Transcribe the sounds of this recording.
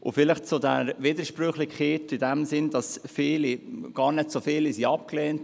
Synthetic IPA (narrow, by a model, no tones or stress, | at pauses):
ʔʊ̰fɪlɪχt͡sʊdɛɾʋidəɾʃpɾʏχlɪχeːtɪdɛmsɪnd̥ɑsfɪːliɡ̥ɑːɾnɛtsofɪːlisiɑp̚kleːnt